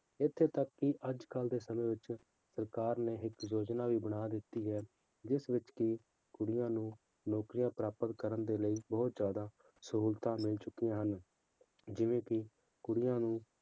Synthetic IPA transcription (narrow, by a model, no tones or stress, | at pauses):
ɪt̪ʰːeːt̪əkːɪʔəd͡ʒkəld̪eːsəmẽːʋɪt͡ʃ | səɾkaːɾneːɦɪkjoːd͡ʒnaːʋiːbəɽ̃aːd̪ɪt̪ːiːɦɛː | d͡ʒɪsʋɪt͡ʃkɪ | kʊɽɪjãːnũː | noːkɾijãːpɾaːpət̪kəɾənd̪eːləiːbɔːt̪zjaːd̪aː | səɦuːlt̪ãːmɪlt͡ʃʊkːijãːɦən | d͡ʒɪʋẽːkɪ | kʊɽɪjãːnũː